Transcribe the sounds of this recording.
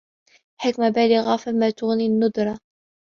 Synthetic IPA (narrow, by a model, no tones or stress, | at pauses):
ħɪkmabaːlɪɣafamːat̪ʊɣninːʊd̪ɾˤɑ